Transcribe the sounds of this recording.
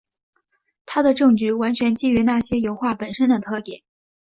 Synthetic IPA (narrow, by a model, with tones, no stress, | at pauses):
t̪ʰa˥d̪ə˨ʈ͡ʂɤ˥˩ŋt͡ɕy˥˩wa˧˥nt͡ɕʰɥɛ˧˥nt͡ɕi˥˩y˧˥na˥˩ɕjɛ˥jo˧˥ʊxwa˥˩pə˨˩nʂə˥nd̪ə˨t̪ʰɤ˥˧t̪jɛ˨˩˦